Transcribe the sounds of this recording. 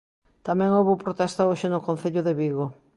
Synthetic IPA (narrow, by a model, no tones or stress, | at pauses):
t̪amɛ̃ŋowβopɾot̪ɛst̪ɐoʃɪnʊkon̟θeʎʊðeβiɣo